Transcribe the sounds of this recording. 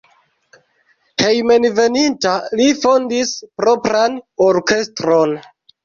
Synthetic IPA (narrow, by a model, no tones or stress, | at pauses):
he̞jme̞nve̞nintalifo̞ndispɾo̞pɾanoɾke̞stɾo̞n